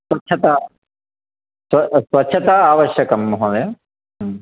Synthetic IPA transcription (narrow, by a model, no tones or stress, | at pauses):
sʋɐtːt͡ʃʰːɐt̪a | sʋɐsʋɐtːɕʰɐt̪aaːʋɐɕjɐkɐmːɐɦod̪ɐj